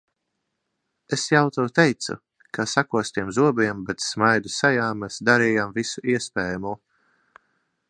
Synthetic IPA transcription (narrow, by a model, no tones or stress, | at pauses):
esjawt̪ɛwt̪ejt̪sṵ | kʰasakuɔst̪iɛmzuɔbiɛmbet̪smajd̪usajaːmːɛsd̪aɾiːjamvisuʔiɛspɛːjamuː